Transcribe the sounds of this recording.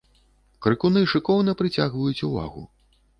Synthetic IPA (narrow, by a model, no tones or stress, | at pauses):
kɾɨkunɨʂɨkɔwnɐpɾɨt͡sʲaɣvɐjut͡sʲuva̰ɣṵ